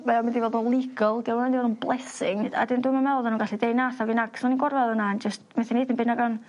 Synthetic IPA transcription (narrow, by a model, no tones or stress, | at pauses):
mɛɔmɪndivɔlˠdnunlˠɪɡɔlˠdiɔmamɪndivɔdnunblˠɛsɪŋda̰dɪnduːmamɛlˠðanuːnɡaɬidejnaθavinaksɔninɡɔrvɛðənand͡ʒəstmɛθɪniːdɪnmbɪnaɡan